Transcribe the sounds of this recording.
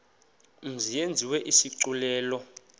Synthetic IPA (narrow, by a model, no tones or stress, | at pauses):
m̩zijend͡zʱiwɛʔisiǀulɛːlɔ